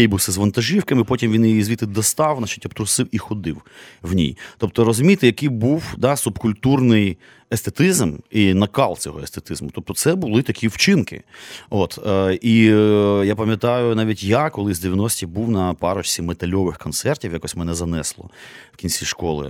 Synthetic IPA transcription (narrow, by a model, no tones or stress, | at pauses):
ejbuwsɛzʋɐnt̪ɐʒiwkɐmɪpɔtʲimʋinjjizʲʋʲit̪ɪd̪ɔst̪ɑwnɐʃɔtʲɔbt̪ɾʊsɪwixɔd̪ɪwwnʲḭjt̪ɔp̚t̪ɔɾɔzʊmʲijt̪ɪjɐkɪjbuwd̪ɑsubkʊlʲt̪urnɪj | ɛst̪et̪ɪzminɐkɑlˠt͡sʲɔɦɔest̪et̪ɪzmʊt̪ɔp̚t̪ɔt̪sɛbʊlˠɪt̪ɐkʲʰiwt͡ʃɪnkɪ̰ot̪ːijapɐmʲjɐt̪ɑjʊnɑʋʲitʲjakɔlˠɪzʲd̪eʋʲjɐnɔsʲtʲibuwnɐpɑɾɔt͡ʃsʲimet̪ɐlʲɔʋɪxkɔnt̪sɛrtʲiwjakɔsʲmɛnɛzɐnɛslˠɔ̰wkʲinʲt͡sʲiʃkɔlˠɪ̰